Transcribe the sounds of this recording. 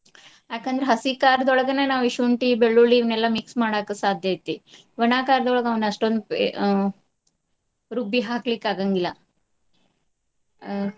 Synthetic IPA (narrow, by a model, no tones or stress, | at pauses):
akənd̪ɾeɦəsikaɾd̪ɔɭɡənenaʋiɕuɳʈibeɭːuliʋnelːamiksmaɽakəsad̪ʱjajt̪i | ʋənakaɾd̪ɔɭɡaʋənɐsʈond̪p | ɾubiɦaklikːaɡaŋɡila